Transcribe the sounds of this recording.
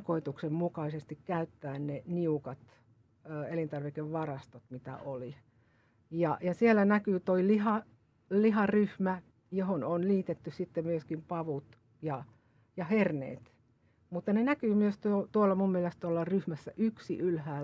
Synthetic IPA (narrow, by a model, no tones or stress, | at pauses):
koit̪uksemmukɑisest̪ikkæyt̪ːæːnneniukɑt̪ː | elint̪ɑrʋikeʋʋɑrɑst̪ot̪mit̪æ̰ʔoli | jɑjɑsielːænækyːt̪oilihɑ | liɦɑryhmæ | johononliːt̪et̪ːyssit̪ːemyøskimpɑʋut̪ | jɑ | jɑhernḛːt̪ | mut̪ːɑnenækyːmyøst̪uot̪uolːɑmummielest̪uolːɑryhmæsːæʔyksḭʔylhæː